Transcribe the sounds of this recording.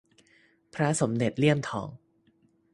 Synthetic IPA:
pʰɾa˦˥so˩˦mde˨˩t̪̚li˥˩əmt̪ʰɔ̰ː˩˦ŋ

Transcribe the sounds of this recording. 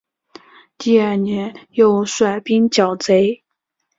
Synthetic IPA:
t̪i˥˧ə˥˩njɛ˧˥njo˥˧ʊʂwa˥˩ɪpi˥nt͡ɕjɑ˨˩ʊt͡se˧˥ɪ

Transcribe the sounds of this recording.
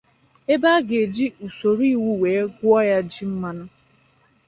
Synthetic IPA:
e˦ba˦ɡe˨d͡ʒi˦ʔu˨so˨ɾi˦˨wu˦weː˨e˦ɡʷʊ˦ɔ˦ja˦d͡ʒi˦m̩˦ma˦nʊ˦

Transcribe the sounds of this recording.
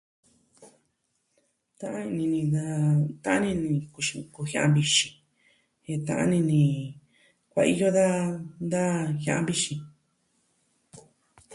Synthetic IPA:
t̪ã˦ʔã˦ĩ˧nĩ˧nĩ˧d̪a˦t̪ã˦ʔã˦nĩ˧nĩ˧ku˧ʃĩ˧ku˧hj̃ã˧ʔã˧bi˧ʃĩ̥˧ | he˧t̪ã˧ʔã̰˦nĩ˧nĩ˧ | kʷa̰˧ʔi˦jo˦ða˦nd̪a˦hã˧ʔã˧˦bi˦ʃĩ˧

